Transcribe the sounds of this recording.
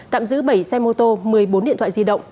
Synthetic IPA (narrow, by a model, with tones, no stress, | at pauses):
t̪a̰ː˧˨mzɨ̰˧˥ɓə˧˩jsɛ˧mo˧t̪o˧mɨ˨˩əjɓo˨˦nḭ˧˨ət̪ʰwa̰ː˧˨zi˧ɗə̰˧˨wŋ͡m